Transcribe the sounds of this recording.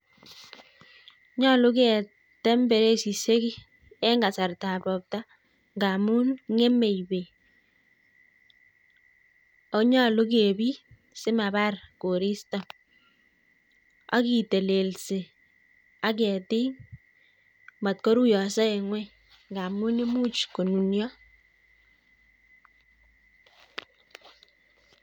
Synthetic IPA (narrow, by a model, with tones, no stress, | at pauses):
ɲɔ˦lʊ˦k̬ɛ˨ | tɛ˦mbɛ˨ɾe˦si˨se˦ki˦ | ɛ˦ŋɡa˨sa˨rta˨pɔ˨p̚ta˦ | ŋɡa˨mu˦nŋe˦me˨jbe˨ | o˨˦ɲɔ˦lo˦k̬e˨bi˦ | sɪ˦ma˨ba˦rko˨ɾi˦sta˨ | a̰˦ki˨te˨le˨lse˨ | a˦k̬ɛ˨ti˦ŋ | ma˨t̪̚ko˦ɾu˦jɔ˨sɛ˦e˨ŋwɛ˦ | ŋɡa˨mu˦ni˦mu˦t͡ʃko˨nu˨njɔ˦